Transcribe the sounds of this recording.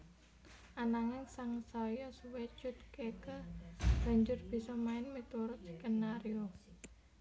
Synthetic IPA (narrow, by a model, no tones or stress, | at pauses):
ʔanaŋɪnsaŋsɔjɔsuwet͡ʃʊt̪̚kekəb̥a̤ɲd͡ʒʊrb̥i̤sɔmaɪnmit̪uɾʊt̪kənːaɾjo